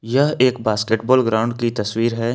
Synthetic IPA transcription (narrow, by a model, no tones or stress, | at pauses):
jɐɦeːkbaːskeʈbɔːlɡɾaːʊ̃ɳɖkit̪ɐswiːɾɦɛː